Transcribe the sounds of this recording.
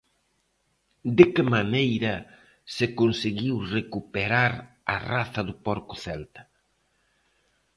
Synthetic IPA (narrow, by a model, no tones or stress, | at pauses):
d̪ɪkɪmanejɾɐ | sekonsiɣiwrekupeɾaɾ | ɐ̰raθɐðʊpɔɾkʊθɛlt̪ɐ̥